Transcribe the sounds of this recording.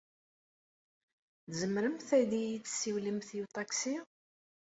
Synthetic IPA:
θzəmɾəmθæðijit͡sːsiwlimθjut̪ˤɑksi

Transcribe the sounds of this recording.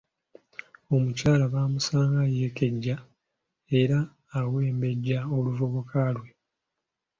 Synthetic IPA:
o̞mucaːlaβaːmusaːŋɡajeːkeɟːa | e̞ɾaː | we̞ːmbe̞ɟːao̞luvoβokʰalwe̞

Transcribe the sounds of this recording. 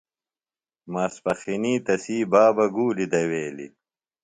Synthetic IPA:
maːspɐxiniːt̪ɐsiːbaːbɐɡuːlid̪ɐweːlḭ

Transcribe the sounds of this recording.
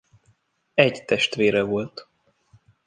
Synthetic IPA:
ɛɟt̪ɛʃt̪ʋeːɾɛvo̞lt̪

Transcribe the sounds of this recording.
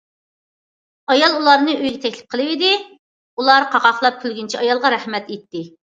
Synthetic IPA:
ɑjɑlˠulˠɑɾnɨøjɡʲɛt̪ʰɛkʲlɪ̥p̚qʰəlˠɨwɪd̪ɪ | ulˠɑɾqʰɑqɑχlˠɑp̚k̪ʲʰylɡʲynt͡ʃʰiɑjɑlˠʁɑɾæhmɛt̪et̪ːɪ

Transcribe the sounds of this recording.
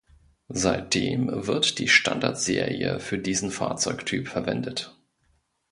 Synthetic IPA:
zaɪt̚d̥eːmvɪɐtd̥iːʃtʰa̰ndaɐtz̥eːʁḭəfyːɐdiːzn̩fa̰ːɐt͡sɔʏktʰyːpfɛɐvɛndət

